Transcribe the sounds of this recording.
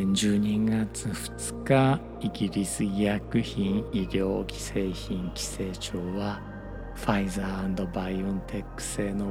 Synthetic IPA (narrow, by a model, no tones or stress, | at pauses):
ɲd͡ʑɨːɲ̟iɡat͡sɨɸɯ̥t͡sɨ̥ka | iɡʲiɾʲisɨjakɯ̟çĩɰiɾʲo̞ːkʲi̥se̞ːçĩŋkʲi̥se̞ːt͡ɕoːβa | ɸaizaːãnd̪o̞baiɯ̃nt̪ʰe̞kːɯ̟̥se̞ːno̞